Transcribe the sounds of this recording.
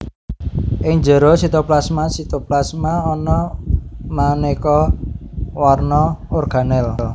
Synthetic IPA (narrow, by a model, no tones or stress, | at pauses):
ʔɪŋd͡ʒə̤ɾosit̪oplasmasit̪oplasmaɔnɔ | manekɔ | warnɔʊrɡ̥a̤nɛll